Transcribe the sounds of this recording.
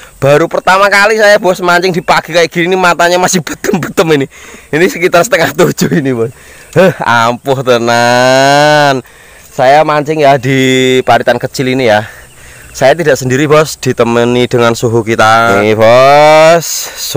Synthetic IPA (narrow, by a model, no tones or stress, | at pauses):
b̥aɾupərt̪amakalisajabɔsmaɲt͡ʃɪŋd̥ipaɡ̥i̤kaiɡ̥iinimat̪aɲamasɪhb̥ət̪əmbət̪əminiinisəkit̪arsə̥t̪əŋaht̪u̥ʒ̥uinibɔ | əhampʊht̪əna | n | sajamaɲt͡ʃɪŋjadipaɾit̪ankət͡ʃɪlinija | sajat̪idaʔsəndiɾibɔsd̪̥i̤t̪əmənid̥əŋansuɦukit̪aibɔ | s